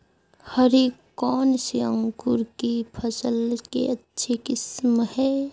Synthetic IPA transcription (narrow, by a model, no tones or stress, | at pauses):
həɾeːkː | ɔːnsiə̃ŋkʊɾkipʰɐsəlkḛɐtːʃʰekɪsmhɛː